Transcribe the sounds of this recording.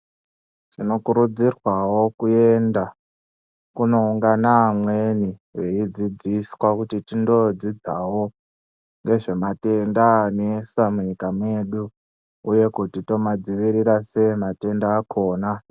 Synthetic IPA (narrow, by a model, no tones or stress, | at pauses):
tino̞kuɾud͡zirwawo̞kue̞nda | kuno̞uŋɡanamweniwe̞id͡zid͡zisi̥kwakutitindo̞d͡zid͡zawo̞ | ŋɡe̞ʐe̞mate̞ndanesamuɲikamwe̞ɗu | uje̞kutito̞mad͡ziʋiɾiɾase̞mate̞ndaːkʰo̞ːna